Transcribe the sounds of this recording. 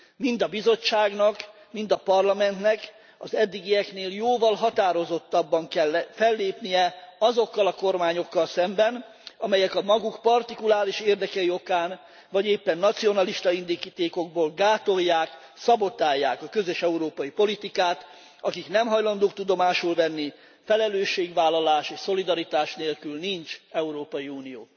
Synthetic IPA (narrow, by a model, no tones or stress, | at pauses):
mind̪ɒbizo̞t͡ʃːaːɡnɒk | mind̪ɒpɒrlɒmɛnt̪nɛk | ɒ̰zɛd̪ːiɡijɛkneːljoːvɒlɦɒt̪aːɾo̞zo̞t̪ːɒbːɒŋkɛlːfɛlːeːpnijɛɒzo̞kːɒlɒko̞rmaːɲo̞kːɒlsɛmbɛn | ɒmɛjɛkɒmɒɡukpɒrt̪ikulaːɾiʃeːrd̪ɛkɛio̞kaːn | vɒɟeːpːɛnːɒt̪sio̞nɒliʃt̪ɒind̪ikit̪eːko̞ɡ̚boːlɡaːt̪o̞jːaːk | sɒbo̞t̪aːjːaːkɒkø̞zøʃɛuɾoːpɒjipo̞lit̪ikaːt̪ | ɒkiknɛmɦɒjlɒnd̪oːkt̪ud̪o̞maːʃulvɛnːi | fɛlɛløːʃːeːɡʋaːlːɒlaːʃeːʃso̞lid̪ɒɾit̪aːʃneːlkylnint͡ʃɛuɾoːpɒjiuːnijo̰ː